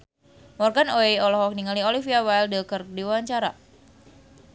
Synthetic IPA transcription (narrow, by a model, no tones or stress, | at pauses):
mɔrɡanoeɔlɔhɔk̚niŋaliɔlifiawaldəkərdiwaaɲt͡ʃaɾa